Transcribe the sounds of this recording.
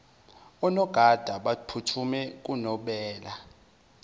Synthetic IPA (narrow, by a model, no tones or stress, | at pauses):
ɔnɔɡ̥ʱad̥ʱaɓapʰutʰumɛk̬ʼunɔɓɛːla